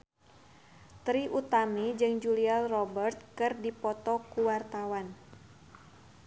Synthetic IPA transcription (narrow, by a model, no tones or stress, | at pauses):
t̪ɾiʔut̪amid͡ʒɨŋd͡ʒulialrɔbərt̪̚kɨrdipɔt̪ɔkuwart̪awan